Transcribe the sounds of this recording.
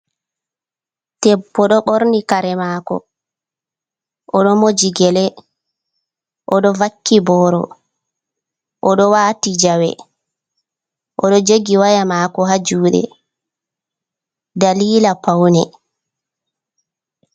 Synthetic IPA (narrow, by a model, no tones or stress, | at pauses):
tɛbːɔɗɔɓoɾnikaɾɛmaːkɔ̰ | ʔɔɗɔmod͡ʒiɡɛlɛ | ʔɔɗɔvakːibɔɾɔ̰ | ʔɔɗɔwaːtid͡ʒawɛ̰ | ʔɔɗɔd͡ʒoɡiwajamaːkɔɦad͡ʒuːɗɛ̰ | daliːlapawnɛ̰